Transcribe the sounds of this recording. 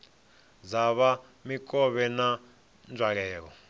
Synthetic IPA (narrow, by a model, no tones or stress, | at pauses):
d͡zaβa | mikʼɔβɛna | nd͡ʒwaɺ̬ɛːk̬ɔ